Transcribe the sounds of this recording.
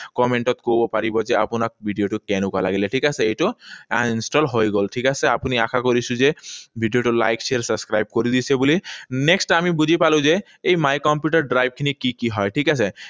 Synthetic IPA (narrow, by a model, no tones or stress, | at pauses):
kɔmeɳʈɔt̪kowbɔpaɹibɔzɛa̰pʊnak̚bʱiɖijoʈukɛnʊka̰la̰ɡilɛʈʰikasɛejtʊansʈɔlɦojɡolʈʰikasɛapunia̰kʰakoɹisʊ̃zɛbʱiɖijoʈula̰jkseɹsabskɹajb̚koɹid̪isɛbulinɛksʈamibuzʱipalʊ̃ze | ejmajkɔmpjuʈaɹɖɾajb̚kʰinikikiɦɔjʈʰikase